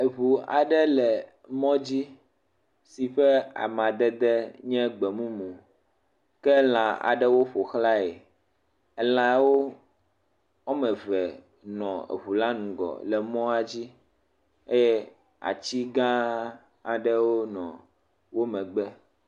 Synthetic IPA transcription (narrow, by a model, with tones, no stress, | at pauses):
e˨ɦu˨a̰˨ɖɛ˦lɛ˨ | mɔ̃˦d͡ʑi˦ | si˨ɸɛ˦a̰˨mã˨d̪ɛ˦d̪ɛ˦ɲɛ̃˦ɡ͡bɛ˨mũ˦mũ˨ | kɛ˦l̃ã˨a̰˨ɖɛ˦wo˦ɸo˨xla˦e˨ | ɛ˦lã˨wo˦ | wo˦mɛ̃˨vɛ˨ | nɔ̃˨ḛ˨βu˨la˦nũ˨ɡɔ̰˨lɛ˨mɔ̃˦a˨d͡ʑi˦ | e˦jɛ˦ | a̰˨t͡ɕi˦ɡã˦ | a˨ɖɛ˦wo˦nɔ̰̃˨ | wo˦mɛ̃˨ɡ͡bɛ˦